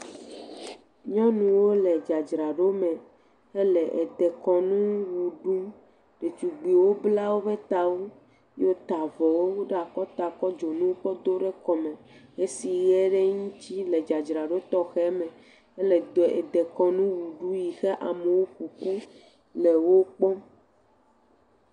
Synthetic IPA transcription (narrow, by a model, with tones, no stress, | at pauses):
ɲɔ̃˦nũ˨wo˦lɛ˨d͡ʒa˨d͡ʒɾa˨ɖo˦mɛ˨ | ɛ˦lɛ˨ʔe˨d̪ɛ˨kɔ˨nũ˦wu˨ɖu˦ | ɖe˨t͡ʃu˨ɡ͡bi˨wo˦bla˦wo˦be˦t̪a˨wo˦ | jo˦t̪a˨vɔ˨wo˦wo˦ɖa˨kɔ˦t̪a˨kɔ˦d͡ʒo˨nũ˦wo˦ɸɔ˦d̪o˦ɖe˦kɔ˨mɛ̃˨e˦si˨ɣɛ˦ɖe˦ŋũ˦t͡ɕi˦le˨d͡ʒa˨d͡ʒɾa˨ɖo˦t̪ɔ˦xɛ˦mɛ̃˨ | ɛ˦lɛ˨d̪o˨ḛ˨d̪ɛ˨kɔ˨nũ˦wu˨ɖu˦ji˨xe˦ʔa˨me˨wo˦ɸu˨ku˦ | le˨wo˦k͡pɔ˦